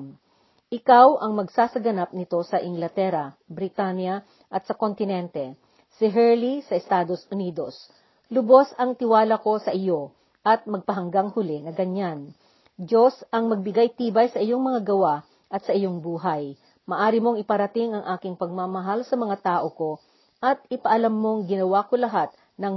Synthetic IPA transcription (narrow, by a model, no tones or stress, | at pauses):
ʔɪkawʔɐŋmɐɡsaːsɐɡɐnap̚nɪt̪o̞sɐʔɪŋɡlɐt̪ɛɾɐbɾɪt̪anjɐ | ʔɐt̪̚sɐkont̪ɪnɛnt̪ɛ | sɪɦɛɹlisɐɛst̪aːd̪o̞sʔʊniːd̪o̞s | lʊbo̞sɐŋt̪ɪwaːlɐko̞sɐʔɪjo̞ | ʔɐt̪̚mɐɡ̚pɐɦɐŋɡaŋhʊlɛnɐɡɐɲan | d͡ʒosɐŋmɐɡ̚bɪɡajt̪iːbɐjsɐʔɪjoŋmɐŋaɡɐwa | ʔɐt̪sɐʔɪjoŋbuːɦɐj | mɐʔaːɾɪmo̞ŋɪpɐɾɐt̪ɪŋʔɐŋʔaːkɪŋpɐɡ̚mamɐɦalsɐmɐŋat̪aːʔoko̞ | ʔɐt̪̚ɪpɐʔɐlɐmːoŋɡɪnɐwakolɐɦat̪̚ | nɐŋ